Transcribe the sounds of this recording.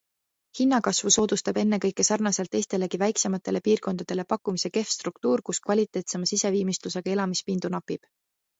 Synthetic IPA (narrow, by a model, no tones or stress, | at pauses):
hinːɑkɑsvuso̞ːd̪ust̪ɑbe̞nːe̞kɤ̞jkːˑe̞sɑrnɑse̞lt̪ːˑe̞jst̪e̞le̞kivæjkse̞mɑt̪ːˑe̞le̞piːrko̞nd̪̥ɑd̪̥e̞le̞pɑkːˑumise̞ke̞fst̪rukt̪uːɾkuskvɑlʲit̪ːˑe̞ːt̪se̞mɑsise̞viːmist̪luse̞ɡ̥ɑe̞lɑmispind̪unɑpːˑib̥